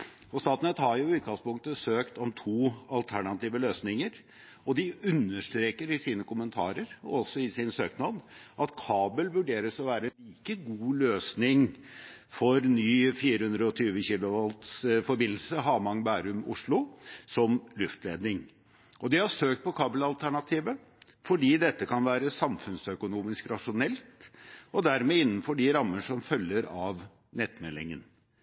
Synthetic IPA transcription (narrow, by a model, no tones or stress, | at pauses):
ɔst̪ɑːt̪nət̪hɑɾjʊʉːt̪̚ɡɑŋspʊŋkt̪əsøːkt̪ɔmt̪ʰuːɑlt̪ʰæɳɑt̪iːʋəløːsnɪŋəɾ | ɔd̪ɪʉnːəʂt̪ɾeːkəɾɪsiːnəkʊmənt̪ʰɑ̰ːɾəɾɔ̰ɔsɔɪsɪnsøːknɑd̪ʔɑt̪kʰɑːbəlʋʉɖeːɾəsɔʋæːɾəɛnliːkəɡuːløːsnɪŋ | fɔɾnyːfiːɾəhʉnd̪ɾəɔt̪ʰyːʋəçiːlʊʋɑlt̪sfɔɾbɪnl̩səɦɑːmɑŋbæːɾʉmʊ̰ʂɭʊsɔmlʉft̪leːd̪nɪŋ | ʔɔd̪ɛhɑʂøːkt̪̚pʰɔkʰɑːbəlɑlt̪ʰæɳɑt̪ʰiːʋə | fɔɖiːd̪ɛt̪ːəkʰɑnʋæːɾəsɑmfʉnsœkʊnuːmɪskɾɑʂʊnɛlt̪ʔɔd̪æɾmeːɪnːənfɔɖɪɾɑmːənʂɔmfœlːəɾɑʋ | nɛt̪mɛlɪ̰ŋə̰n